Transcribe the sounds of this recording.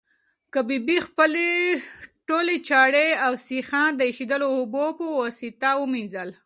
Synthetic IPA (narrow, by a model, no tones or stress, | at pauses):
kabibixpəle | ʈolet͡ʃɑɽeawsixɑnd̪əixid̪əloːbopəwasit̪awuminzəl